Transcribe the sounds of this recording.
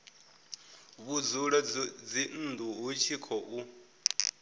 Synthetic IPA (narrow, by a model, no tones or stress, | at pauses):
βud͡zuɺad͡zin̩ːd̪uɦut͡ʃʰikʰɔʔu